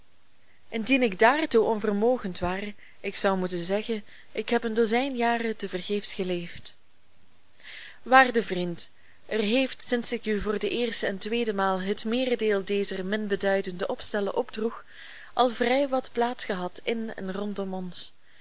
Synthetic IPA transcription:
ʔɪndinɪɡdaːrtuʔɔnvərmoːɣəntʋaːr | ɪksʌwmutənzɛɣən | ɪkɦɛpəndozɛjnjaːrətəvərɣeːfsxəleːft | ʋaːrdəvrint | ʔərɦeːftsɪnsɪkyvoːrdəʔɪːrstəɛntʋeːdəmaːlˠɦətmɪːrədeːlˠdeːzərmɪnbədœɥdəndəʔɔpstɛlə̰ʔɔbdrux | ʔɑlˠvrɛjʋɑtplaːtsxəɦɑtɪnɛ̰nrɔntɔmɔns

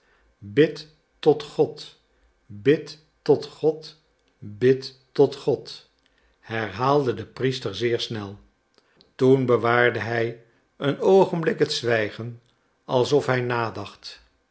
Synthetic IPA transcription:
bɪt | ɔtχɔt | bɪt | ɔtχɔt | bɪtː | ɔtχɔt | hɛɹɦaːlˠdədəpristəɹzɪːɹsnɛlˠ | tunbəʋaːɹdəɦɛj | ənowχənblɪkɦətsʋɛjχən | ɑlˠsɔfɦɛjnaːdɑχt

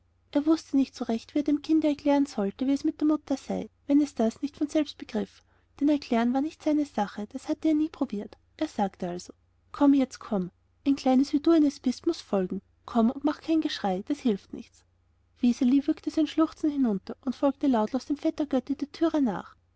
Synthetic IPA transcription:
ʔeːɐvʊstənɪçtsoʁɛçtviːeɛɐdeːmkʰɪndəɛɐklɛːʁənzɔltəviːɛsmɪt̚d̥eːɐmʊtɐzaɪvɛnɛsd̥asnɪçtfɔnz̥ɛlpst̚b̥əɡ̥ʁɪf | d̥ɛnɛɐkl̥ɛːʁənvaɐnɪçtsaɪnəzaχəd̥ashatəeːɐniːpʁ̥ob̥iːɐt | ʔeːɐz̥aːktəalzo | kʰɔmjɛt͡stkʰɔm | ʔæɪnkʰl̥aɪnəsv̥iːduːaɪnɛsb̥ɪstmʊsfɔlɡŋ̩ | kʰɔmʊntmaχkʰaɪnɡəʃʁ̥aɪd̥ashɪlftnɪ̰çtt͡s | v̥isɪlivʏɐktəzaɪnʃlʊχt͡sn̩hɪnʊntɐʔʊntfɔlk̚təlaʊtloʊsd̥eːmfɛtɐɡ̥œtəd̥eːɐtʰyːʁəna̰ːχ

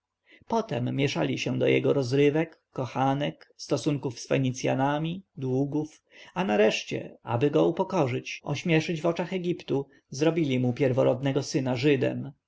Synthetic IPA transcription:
pɔt̪ɛmːʲjɛʂa̰lʲiɕɛd̪ɔjɛ̰ɡɔɾɔzɾɘvɛkːɔxanɛkst̪ɔsuŋkufsfɛɲit̪sʲja̰namʲid̪wuɡuf | anaɾɛʂt͡ɕɛ̰a̰bɘɡɔupɔkɔʐɘt͡ɕɔɕmʲjɛʂɘd͡ʑvɔt͡ʂaxɛɡʲipt̪u | zɾɔbʲilʲimupʲjɛɾvɔɾɔd̪nɛɡɔsɘnaʐɘd̪ɛ̰m

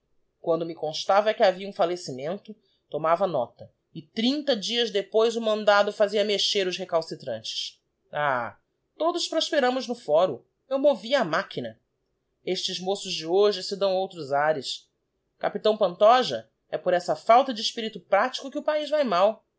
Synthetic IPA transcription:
kwɐ̃nd̪ʊmɪkõʃt̪avɐkɪaviɐũfalesimẽnt̪ʊ | t̪omavɐnɔ̰t̪ɐ | ɪt̪ɾĩnt̪ɐd͡ʒiɐzd̪epojzʊmɐ̃nd̪ad̪ʊfaziɐmeʃeɾʊʃhekawsit̪ɾɐ̰̃nt͡ʃɪ̥s | a | t̪od̪ʊspɾoʃpeɾɐ̃mʊznʊfɔɾʊ | ewmoviɐːmakinɐ | eʃt͡ʃɪzmosʊzd͡ʒɪoʒɪsɪd̪ɐ̃w̃owt̪ɾʊzaɾɪs | kapit̪ɐ̃w̃pɐ̃nt̪ɔʒɐ | ɛpʊɾɛsɐfawt̪ɐd͡ʒɪːʃpiɾit̪ʊpɾat͡ʃi̥kʊkɪʊpaizvajmaw

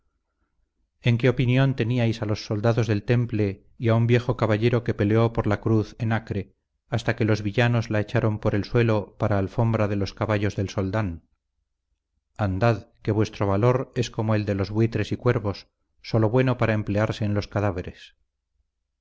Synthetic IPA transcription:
e̞ŋke̞o̞pinjo̞nt̪e̞niajsalo̞sːo̞ld̪aðo̞zðe̞lt̪e̞mple̞ | iaumbje̞xo̞kaβaʎe̞ɾo̞ke̞pe̞leo̞po̞ɾlakɾuθenakɾe̞ | ast̪ake̞lo̞zβiʝano̞zlae̞t͡ʃaɾo̞mpo̞ɾe̞lswe̞lo̞paɾaːlfo̞mbɾaðe̞lo̞skaβaʝozðe̞lso̞ld̪an | and̪aðke̞βwe̞st̪ɾo̞βalo̞ɾe̞sko̞moe̞ld̪e̞lo̞zβwit̪ɾe̞sikwe̞ɾβo̞sː | o̞lo̞βwe̞no̞paɾae̞mple̞aɾse̞ːnlo̞skaðaβe̞ɾe̞s

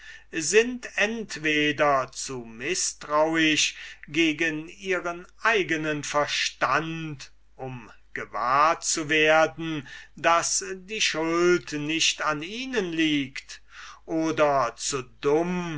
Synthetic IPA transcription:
zɪntɛntv̥eːdɐt͡sumɪstʁ̥aʊɪɕɡeːɡəniːʁənʔaɪɡənənfɛɐʃtant | ʔʊm | ɡ̥əva̰ːɐtt͡suveːɐdn̩dasdiːʃʊltnɪɕtaniːnənliːkt | ʔoːdɐt͡sudʊm

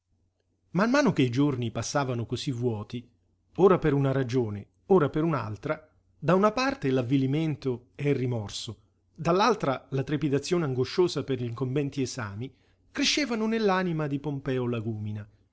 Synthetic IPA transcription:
mamːaːnok̟eid͡ʒornipasːaːvanokozivːwɔːt̪i | oːɾapeɾunaɾad͡ʒoːne | oːɾapeɾuna̰lt̪ɾa | d̪aunapart̪elavːiliment̪oɛrːimɔrso | d̪alːalt̪ɾalat̪ɾepid̪at̪sːjoːneaŋɡoʃːoːzaperʎiŋkomvɛnt̪ieza̰ːmi | kɾeʃːeːvanonelːaːnimad̪ipompɛːolaɡuːmina

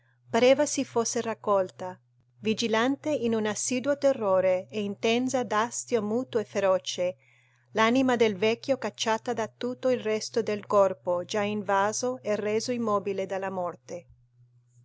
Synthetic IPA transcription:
paɾeːvasifosːerakːɔlt̪a | vid͡ʒilant̪einunasːiːd̪wot̪erːoːɾeeint̪ɛnzad̪ast̪jomuːt̪oefːeɾɔːt͡ʃe | lanimad̪elvɛk̟ːjokat͡ʃːaːt̪ad̪at̪ut̪ːoilrɛst̪od̪elkɔrpod͡ʒaiɱvaːzoɛreːzoimːɔːbiled̪alːamɔrt̪e

